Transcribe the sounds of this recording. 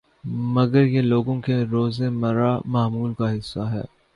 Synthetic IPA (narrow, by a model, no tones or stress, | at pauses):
mɐɡəɾjeloːɡõkeɾoːzemɐɾamaːmuːlkaɦɪsːaɦɛ̰ː